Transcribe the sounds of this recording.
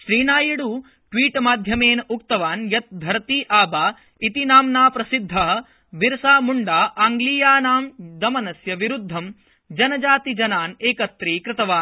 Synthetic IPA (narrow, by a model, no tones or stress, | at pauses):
ʃɾiːnaːjiɽuː | ʈʋiːʈmaːd̪ʱjɐmeːnuk̚t̪ɐʋaːnjɐt̪̚b̪ʱɐɾt̪iːʔaːbaː | it̪inaːmnaːpɾɐsid̪ʱːɐɦɐ̆ | ʋiɾsaːmuɳɖaːʔaːŋɡliːjaːnaːmd̪ɐmɐnɐsjɐʋiɾud̪ʱːɐm | d͡ʒɐnɐd͡ʒaːt̪id͡ʒɐnaːneːkɐt̪ɾiːkɾɪt̪ɐʋaːn